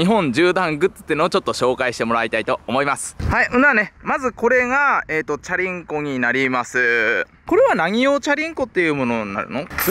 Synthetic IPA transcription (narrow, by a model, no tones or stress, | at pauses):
iɦõ̞ɲ̟d͡ʑɨːd̪ãŋɡɯ̟t͡sɨ̥t̪ːeɯ̟noot͡ɕo̞t̪ːo̞ɕo̞ːkaiɕi̥t̪e̞mo̞ɾait̪ait̪o̞ːmo̞imasɨ̥haiʔɯ̃nd̪ane̞mazɨko̞ɾe̞ɡaeːt̪ːo̞t͡ɕaɾʲĩŋko̞ɲ̟inaɾʲimasɨ | ko̞ɾe̞βanaŋʲio̞ːt͡ɕaɾʲĩŋko̞t̪ːe̞jɯ̟ːmo̞no̞nːa̰ɾɯ̟̰no̞